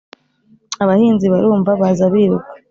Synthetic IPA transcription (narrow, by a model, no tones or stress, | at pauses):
aβahiːnziβaɾuːɱvaβazaβiːɾuɡḁ